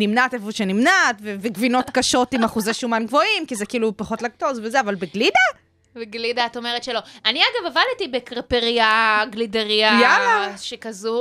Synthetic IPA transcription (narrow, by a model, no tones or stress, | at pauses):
nimnatefoʃenimnatveveɡvino̞t̪kaʃo̞timaχuzeʃumanɡvo̞imkizekiiːlupaχo̞tlaɡ̚to̞svezeavalbeɡlida | beɡlidaːto̞meʁetʃelo̞aniaɡavavaltibekʁpeʁiaɡlideʁiajaaʃekazu